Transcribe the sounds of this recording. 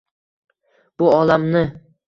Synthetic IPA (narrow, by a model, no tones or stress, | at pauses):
b̥ʊɒlamnɪ